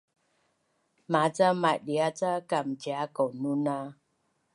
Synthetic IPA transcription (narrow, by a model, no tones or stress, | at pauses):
mat͡samaʔɗiat͡sakamt͡ʃjakonuna